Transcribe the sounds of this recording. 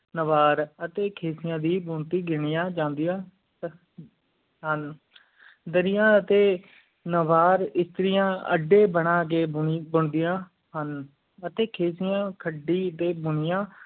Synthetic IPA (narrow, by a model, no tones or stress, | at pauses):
nəʋaːɾət̪eːkʰeːsɪjãːd̪iːbʊɳt̪iːɡɪɳɪjãːd͡ʒãːnd̪ɪjãː | ɦən | d̪əɾɪjãːət̪eː | nəʋaːɾɪst̪ɾɪjãːə̰ɖːeːbəɳãːk̬eːbʊɳd̪ɪjãː | ɦən | ət̪eːkʰeːsɪjãːkʰəɖiːət̪eːbʊnɪjãː